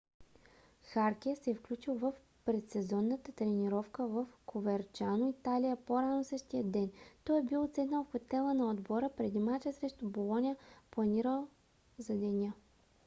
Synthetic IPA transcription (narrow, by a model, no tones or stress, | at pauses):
xaɾkʲɛsɛfklʲut͡ʃilˠvəf | pɾɛt̪sɛzɔnːət̪ət̪ɾɛniɾɔfkəvəfkʰovɛɾt͡ʃanoit̪alijəpoɾanosɤʃt̪ijəd̪ːɛnt̪ɔɛbilˠt̪sɛd̪nəlˠxot̪ɛlˠənɐod̪bɔɾəpɾɛd̪imat͡ʃɛsɾɛʃt̪ʊbolˠɔnʲijəplˠɐniɾəlˠ | zɐd̪ɛnʲə